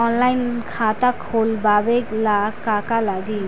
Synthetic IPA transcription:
ɔnlajnkʰat̪akʰolbabeɡlakːakalaɡi

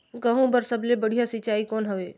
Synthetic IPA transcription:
kəɦũbəɾsəblebəɽ̤ijasɪt͡ʃaːikoːnɦəʋeː

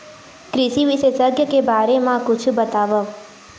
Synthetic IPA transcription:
kɾɪʃiʋiʃesəɡjəkebaːɾemãkʊt͡ʃʰubət̪aʋəʋ

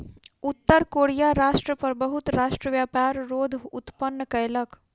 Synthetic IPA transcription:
ut̪ːəɾkoɽijaɾaʂʈɾəpəɾbəɦut̪ɾaʂʈɾəʋjapaɾɾod̪ʱut̪pənːəkəjlək

